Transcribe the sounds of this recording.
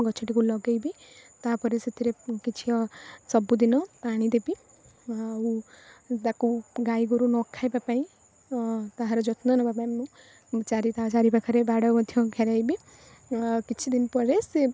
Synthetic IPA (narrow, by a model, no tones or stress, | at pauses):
ɡɔt͡ʃʰɔʈikulɔɡajbit̪apɔɾeset̪ʰiɾekit͡ʃʰiɔsɔbud̪inɔpaɽ̃id̪ebi | ut̪akuɡajɡuɾunɔkʰajbapaĩ | t̪aɦãɾɔd͡ʒɔt̪nɔnɔbapaĩmũ | t͡ʃaɾit̪at͡ʃaɾipakʰaɾebaɽɔmɔd̪ʱjɔɡʱeɾajbi | kit͡ʃʰid̪inpɔɾese